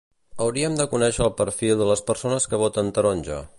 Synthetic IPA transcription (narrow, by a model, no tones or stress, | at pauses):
əwɾiəmd̪əkunɛʃəːlˠpəɾfilˠd̪ələspəɾsonəskəβ̞ot̪ənt̪əɾonʲʒə̰